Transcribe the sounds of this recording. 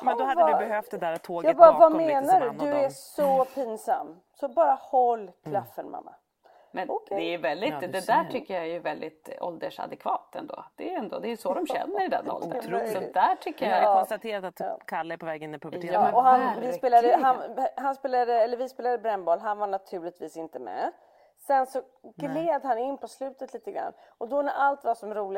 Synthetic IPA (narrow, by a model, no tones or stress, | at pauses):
mɛd̪ɔhadvabɛhœft̪d̪ɛd̪æːɾat̪ʰːoːɡɑːɡɡbɾvameːnaɖɵɵɛsɔpʰinsa̰mː | sɔbɑːɾahɔlːkʰlafːəɾma̰mːa̰ | mɛnd̪ɛævɛld̪ɪt̪d̪ɛd̪æʈʰʏkːəjaɛjɵvɛld̪ɪt̪ɔ̰ld̪əʂa̰d̪ɛkʰvɑːt̪ɛ̰nd̪o̰ːd̪̥ɛjɛnd̪o̰d̪ɛæjɵsɔd̪ɔmɕɛ̰nːəɾɪd̪ɛ̰nːɔ̰ld̪ə̰sɔd̪æʈʰʏkːəjaɔnst̪at̪ʰeːɾat̪at̪kʰalːaɛɾpʰɔvɛːɡɪnːɪpʰɵbɔhannvɪspeːlad̪əɦaɦanspeːlad̪əɛlːəɾvɪspeːlad̪əbɾɛnːbɑːlɦanvaɳat̪ʰʉ̟ːɭɪt̪viːsɪnt̪əmɛ̰ | sɛnsɔ | ɡleːd̪hanɪnːpʰɔslʉ̟ːt̪ət̪liːt̪əɡɾa̰nː | ɔd̪ɔnæʔalt̪vasɔmɾuːlɪ